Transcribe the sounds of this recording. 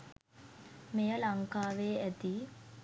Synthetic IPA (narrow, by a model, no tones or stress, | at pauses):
mejəlaŋkaːʋeːæt̪i